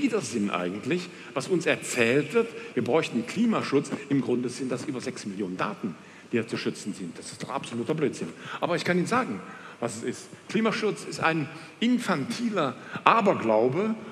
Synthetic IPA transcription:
iːdɐzɪnʔa̰ɪɡŋ̩tʰlɪç | v̥asʊnsɛɐt͡sɛːltv̥ɪɐtv̥iːɐbʁɔʏçtn̩kʰl̥iːmaʃʊt͡sɪmɡʁʊndəzɪntd̥asʔyːbɐzɛksmɪljoːnənda̰ːtn̩ | d̥iːt͡suʃʏt͡sn̩zɪnt̚d̥asɪ̥std̥ɔχapz̥oluːtɐbløːtz̥ɪnʔaːbɐɪçkʰaniːnzaːɡŋ̩ | vasɛsɪstkʰliːmaʃʊt͡sɪsta̰ɪn | ʔɪnfantʰiːlɐʔaːbɐɡlaʊbə

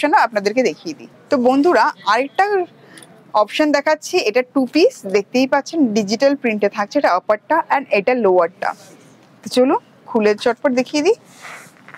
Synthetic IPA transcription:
ʃonoapnad̪eɾked̪ekʰijed̪ḭ | t̪obond̪ʱuɾaaɾek̚ʈa | ɔpʃond̪ɛkʰatːɕʰieʈaʈupisd̪ek̚ʰt̪ejpatːɕʰenɖid͡ʑiʈalpɾiɳʈet̪ʰak̚t͡ɕʰeeʈaɔpaʈʈːaʔɛneʈalowaɾʈa̰ | t̪ot͡ɕolun | kʰuleɾt͡ɕɔʈ̚poɾd̪ekʰijed̪i

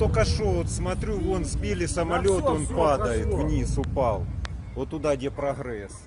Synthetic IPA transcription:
t̪okɐʂoot̪smɐt̪ɾʲuonzʲbʲilʲɪsɐmɐlʲo̞t̪o̞npad̪ɐjɪt̪vnʲisʊpɑlˠ | ot̪ːʊd̪adʲepɾɐɦɾɛs

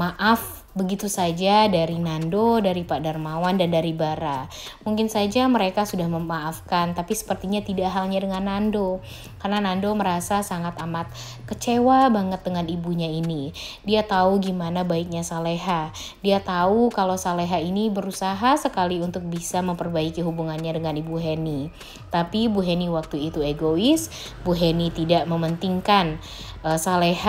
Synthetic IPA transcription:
maʔaf | bəɡit̪usad͡ʒadaɾinandodaɾipadarmawandandaɾibaɾa | muŋkɪnsad͡ʒaməɾekasudahməmaːfkant̪apisə̥pərt̪iɲat̪idaʔɦalɲadəŋanːando | karnanandoməɾasasaŋat̪amat̪̚ | kət͡ʃewabaŋət̪̚dəŋanibuɲainidiat̪auɡimanabaik̚ɲasaleɦa | diat̪aukalosaleɦainibəɾusaɦasəkaliunt̪ʊk̚bisaməmpərbaikiɦubuŋanɲadəŋanibuɦeni | t̪apibuɦeniwak̚t̪uit̪ueɡoɪs | buɦenit̪idaʔməmənt̪iŋkan | əsaleɦa

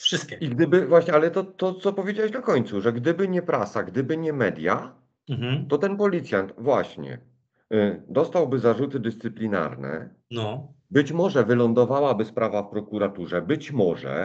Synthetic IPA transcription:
fʂɘst̪̚kʲɛiɡd̪ɘbɘvwaɕɲɛalɛt̪ɔt̪ɔt̪sɔpɔvjed͡ʑawɛɕnakɔɲt̪suʐɛɡd̪ɘbɘɲɛpɾasaɡd̪ɘbɘɲɛmɛd̪ʲja | t̪ɔt̪ɛnpɔlʲit̪sʲjant̪vwaɕɲɛ̰ | d̪ɔst̪awbɘzaʐut̪ɘd̪ɘst̪sɘplʲina̰ɾnɛ̰ | nɔbɘt͡ɕmɔʐɛvɘlɔnd̪ɔvawabɘspɾavafpɾɔkuɾat̪uʐɛbɘt͡ɕmɔʐɛ̰

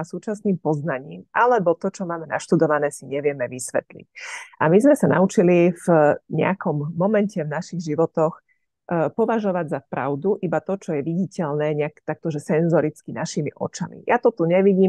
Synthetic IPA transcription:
asuːt͡ʃasniːmpɔznaɲiːmʔalɛbɔt̪ɔt͡ʃɔmaːmɛna̰ʃt̪ud̪ɔʋanɛːsiɲɛʋɪɛmɛʋisʋɛ̰t̪lḭcʔamizmɛsanaut͡ʃilivɲɛ̰akɔmːɔmɛncɛvnaʃiɣʒiʋɔt̪ɔx | pɔʋaʒɔʋaɟzapɾa̰ʊd̪uʔibat̪ɔt͡ʃɔjɛʋiɟicɛʎnɛːɲɛakt̪ak̚t̪ɔʒɛsɛnzɔɾit͡skinaʃimḭʔɔ̰t͡ʃamḭjʔat̪ɔt̪uɲɛʋiɟiːm

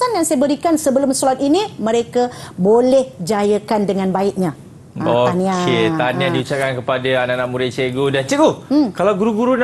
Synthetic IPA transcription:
anjaŋsajəbəɾikansəbəlʊmsolat̪̚inĩmə̃ɾekabolɛhd͡ʒajəkandəŋãnbaɪʔ̪̚ɲã | oaniãket̪anjãdiut͡ʃap̚kankəpadaananaʔmuɾɪt͡ʃeɡodant͡ʃəɡokalawɡuɾuɡuɾun

